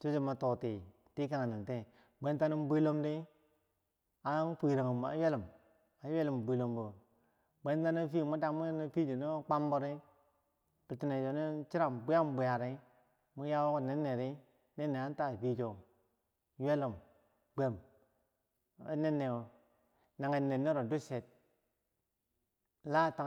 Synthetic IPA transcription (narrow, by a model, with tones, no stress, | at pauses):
t͡ʃo˦d͡ʒi˦ma˨to˨ti˨ | ti˦ka˨ŋ˨ni˨te˦ | bʷe˦nta˦ni˦m˦bi˦lo˦mdi˦ | a˨˦n˦pʷi˨ɾa˨ŋə˨m˨a̰˨jwe˦lə˨m | a˨˦we˦li˨m˨bʷi˨lo˨mbu˨ | bʷe˦n˦ta˦ni˦fi˦˨mu˦da˨˦mu˦ni˦fi˦d͡ʒi˨no˦k͡pa˦mbo˦ɾi˦ | bi˨ti˨ne˨o˨ne˦t͡ʃi˦ɾa˨mbu˦ja˦mbu˨ja˨ɾi˦ | mu˦ja˦wo˦ku˦˨ne˦nːe˨ɾi˦ | ne˦nːe˨a˦n˦ta˦˨pi˦d͡ʒo˨ | je˦lo˨m | ɡ͡bʷe˨m˦ | ne˦nːe˨o˨ | na˨ŋe˨nːe˨nːe˦ɾo˨du˦se˨t̚ | la˦˨ta˨